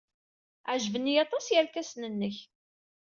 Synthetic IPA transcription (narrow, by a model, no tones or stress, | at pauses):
ʕʒvənːijɑt̪ˤɑsjəɾkæsnənːəç